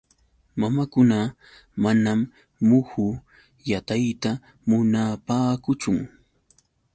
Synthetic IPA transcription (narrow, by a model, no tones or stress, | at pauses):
mamakʊna | manamː | ʊhʊ | jat̪ajt̪a | mʊnapaːkʊt͡ʃʊŋ